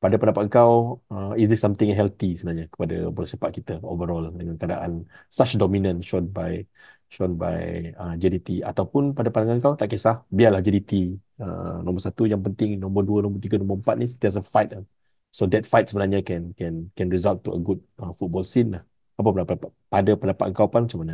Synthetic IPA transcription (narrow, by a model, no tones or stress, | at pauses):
padapəndapat̪̚əŋkawəisd̪isːamt̪ɪ̃ŋɦɛlt̪isəbənaɲakə̥pada̰bɔlasəpat̪̚kit̪əo̰vəɾɔldəŋankada̰ʔa̰nsat͡ʃdɔmĩnə̃nʃɔnbaj | ʃɔnba̰jəd͡ʒɛdit̪ia̰t̪awpʊnpadapandaŋanəŋkawt̪aʔkəsahbialahd͡ʒəɾit̪iə̰nɔ̃mbərsat̪ujaŋpənt̪ɪŋnɔ̃mbərduənɔ̃mbərt̪iɡanɔ̃mbəəmpat̪̚nis̬ənt̪ias̬afajt̪̚a | sodɛt̪̚fajt̪̚səbənarɲakɛnkɛnkɛnɹizalt̚tːuə̰ɡud̚əfut̚bɔlsinlah | apəpənapədapaʔpadapəndapat̪ʔ̪̚əŋkawpanmat͡ʃamanə